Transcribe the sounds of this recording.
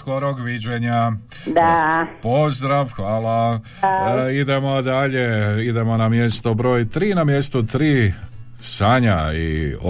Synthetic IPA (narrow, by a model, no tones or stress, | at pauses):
ko̞ɾoɡʋid͡ʑeɲa | d̪apo̞zd̪ɾaʋxʋaːla | id̪e̞mod̪aʎe̞id̪e̞mo̞namje̞st̪obɾo̞ːjt̪ɾiːnamje̞st̪ut̪ɾiː | saːɲaḭo